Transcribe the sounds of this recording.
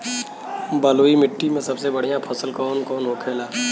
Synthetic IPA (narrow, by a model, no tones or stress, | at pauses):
bəloːimɪʈːimẽsɐbsebɐɽ̤ijãpʰɐsəlkɔːnkɔːnɦokʰeːlaː